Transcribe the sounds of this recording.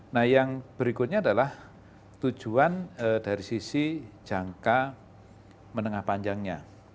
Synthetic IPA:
nahjaŋb̥əɾikʊt̪̚ɲaːdalah | t̪u̥d͡ʒ̥uanəd̥aɾisisi̥d͡ʒ̥a̤ŋka | mənəŋahpaɲd͡ʒaŋɲa

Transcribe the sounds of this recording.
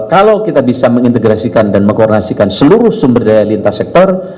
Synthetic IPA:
kalawkit̪abisaməŋint̪əɡɾasikandanməŋkɔdonasikansəluɾʊhsumbərdajalint̪asɛk̚t̪ɔr

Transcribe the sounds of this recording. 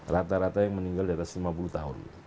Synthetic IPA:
rat̪aɾat̪ajaŋməniŋɡaldiat̪aslimapulut̪aɦʊ̰n

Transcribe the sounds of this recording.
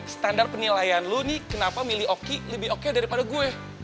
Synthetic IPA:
sə̥t̪andar̚pənilajanlunɪhkənapamiliokiləbɪɦokedaɾipadaɡuɛ

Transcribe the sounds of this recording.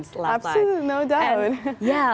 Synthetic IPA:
lapsinoʊdaʊt̚jæ

